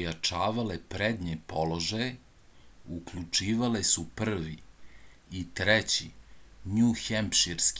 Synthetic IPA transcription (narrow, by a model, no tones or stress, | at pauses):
jat͡ʂaːʋalepɾed̪ɲepolo̞ʒaje | ukʎut͡ʂiːʋalesupr̩ʋi | it̪ɾɛt͡ɕḭɲuxempʃiɾsk